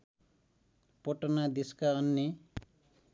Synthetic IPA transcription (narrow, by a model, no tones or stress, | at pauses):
pʌʈʌnad̪eskaʌnːe